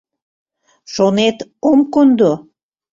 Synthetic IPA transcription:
ʃonet̪omkond̪o

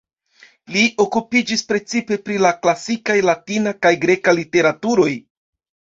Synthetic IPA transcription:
liʔo̞kupid͡ʒispɾe̞t͡sipe̞pɾilaklasikajlatinakajɡɾe̞kalite̞ɾatuɾo̞j

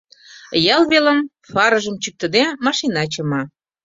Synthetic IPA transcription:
jɑlβelə̆m | fɑɾəʒəmt͡ɕyk̚t̪ə̆d̪emɑʃinɑt͡ɕəmɑ

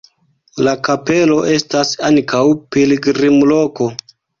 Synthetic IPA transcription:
lakape̞lo̞ʔe̞stasankʰawpeleɡɾimlo̞ko̞

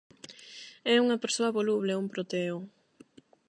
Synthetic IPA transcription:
ɛuŋɐpeɾsoɐβoluβleumpɾot̪eo

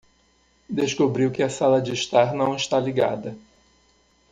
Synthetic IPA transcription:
d̪eskobɾiwkɪɐsalɐd͡ʒɪːʃt̪aɾnɐ̃w̃ɪʃt̪aliɡa̰d̪ɐ

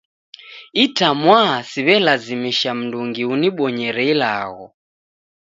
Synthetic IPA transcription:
itamwasiβɛlazimiʃam̩nduŋɡiuniɓɔɲɛɾɛila̰ːɣɔ̰

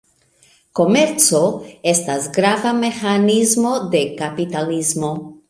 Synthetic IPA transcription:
ko̞me̞ɾt͡so̞e̞stasɡɾavame̞xanizmo̞d̪e̞kapit̪alizmo̞

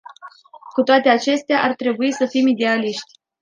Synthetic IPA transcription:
kut̪oat̪e̞at͡ʃe̞st̪eaʔart̪ɾe̞buisəfimid̪e̞aliʃt̪ʲ

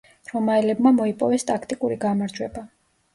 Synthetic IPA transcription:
ɾɔmaɛlɛbmamɔipʼɔvɛst̪ʼakʰt̪ʼikʼuɾiɡamaɾd͡ʒwɛba

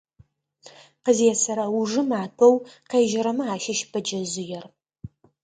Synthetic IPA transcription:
qəzjɛsɐɾɐwʊʐɨmaːtʰɐwqeːʒɪɾɐmɨaːʃɪʃbʰɐd͡ʒɐzʊjɛr

